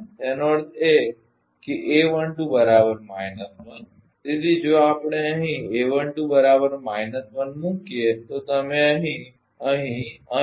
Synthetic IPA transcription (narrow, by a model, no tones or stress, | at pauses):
enoəɾt̪ʰe | keʔeʋəɳʈũbəɾabəɾmajnəsmən | t̪et̪id͡ʒoapɳ̃eəɦĩeʋə̃ɳʈũbəɾabəɾmajnəsmənmũkiet̪ot̪əmẽə̃ɦĩ | əɦĩə